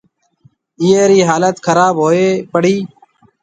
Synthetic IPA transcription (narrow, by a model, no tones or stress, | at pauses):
ɪjeːɾiːɦaːlət̪kʰəɾaːbɦoːeːpəɽ̤iː